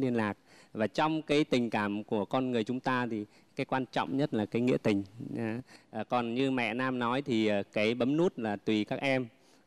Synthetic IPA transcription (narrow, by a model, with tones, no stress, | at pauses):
li˧ənlaː˨˩k̚vaː˨˩t͡ɕɔ˧wŋ͡mkaː˨˦jt̪ï˨˩ŋ̟kaː˧˩mku˧˩əkɔ˧nŋɨ˨˩əjt͡ɕʊ˨˦ŋ͡mt̪aː˧t̪ʰi˨˩ | kaː˨˦jkwaː˧nt͡ɕɔ̰˧˨wŋ͡mɲə˦˥t̚laː˨˩kaː˨˦jŋḭ˧˥ət̪ï˨˩ŋ̟ː˨˦ | ʔːkɔ˨˩nɲɨ˧mɛ̰˧˨naː˧mnɔ˨˦jt̪ʰi˨˩ʔəː˨˩kaː˨˦jɓə˨˦mnu˦˥t̚laː˨˩t̪wi˨˩kaː˦˥k̚ʔɛ˧m